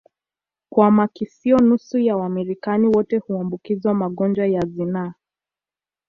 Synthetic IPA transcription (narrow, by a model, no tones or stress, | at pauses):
kwamakisiɔnusujawamiɾikaniwɔtɛhuambukizwamaɠɔnd͡ʒwajazina